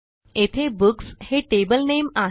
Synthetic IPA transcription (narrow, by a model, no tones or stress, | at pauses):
et̪ʰebuksheʈebəlnema